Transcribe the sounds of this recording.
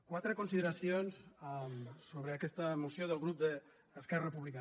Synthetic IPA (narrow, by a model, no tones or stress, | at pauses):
kwat̪ɾəkunsiðəɾasijonsamsoβɾəakɛst̪əmusjoðəlˠɣɾup̚d̪əː | skɛrəpuβlika